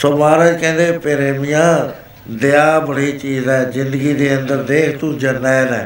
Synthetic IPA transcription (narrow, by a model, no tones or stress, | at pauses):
somaːɾad͡ʒkɛ̃ːnd̪eːpeɾeːmɪjãː | d̪ɪaːbəɽiːt͡ʃiːzɛːzɪ̃nd̪əɡiːd̪eːənd̪əɾd̪eːkʰt̪ũːd͡ʒənːɛːnɛː